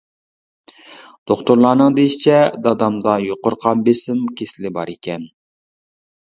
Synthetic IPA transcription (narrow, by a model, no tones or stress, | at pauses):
d̪̥oχt̪ʊɾlˠɑːnɨŋd̪ejʃit͡ʃʰɛd̪ɑd̪ɑmd̪ɑjoqʊɾqʰɑnbesɪmkʲʰeslɪbɑ̰ɾekʲɛn